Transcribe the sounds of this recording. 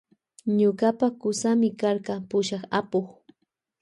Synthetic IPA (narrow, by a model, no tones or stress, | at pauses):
ɲʊɢapakʊsamɪkaɾqɑpʊʃɑχapoχ